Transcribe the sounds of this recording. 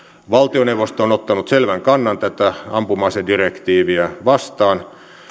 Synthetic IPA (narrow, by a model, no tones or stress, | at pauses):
ʋɑlt̪ioneuʋost̪onot̪ːɑnut̪selʋæŋkɑnːɑnt̪æt̪ːæɑmpumɑisedirekt̪iːʋiæʋɑst̪ɑːn